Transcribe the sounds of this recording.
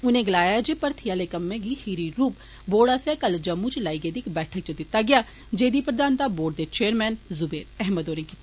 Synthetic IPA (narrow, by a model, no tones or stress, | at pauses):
ʊnẽːɡəlaːjaːɛd͡ʒipəɾt̪ʰijaːleːkəmːẽːɡiːhiːɾiːɾuːp | boːɽaːsɛːkəld͡ʒəmːũːt͡ʃlaːiːɡeːd̪iːkbɛːʈʰək̚t͡ʃəd̪ɪt̪ːaːɡɪjaː | d͡ʒeːd̪iːpɾəd̪aːnt̪aːboːɖd̪eːt͡ʃeːəɾmɛːnzʊbeːɾɛɦməd̪oːɾẽːkiːt̪a